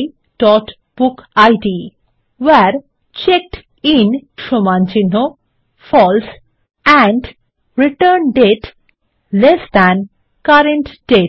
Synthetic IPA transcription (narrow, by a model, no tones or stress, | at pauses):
ʈɔʈ | b̥ukajɖi | wɛɾ | t͡ɕek̚ʈ | inʃomant͡ɕinːo | fɔls | æ̃ɳɖ | ɾiʈəɾnɖeʈ | lesd̪æn | kaɾẽɳʈɖeʈ